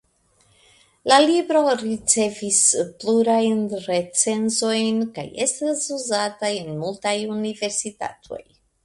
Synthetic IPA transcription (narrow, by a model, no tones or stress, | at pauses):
lalibɾo̞ɾit͡se̞vispluɾajnɾe̞t͡se̞nzo̞jnka̰je̞stasuzatajenmultajunive̞ɾsita̰tʰo̞̰j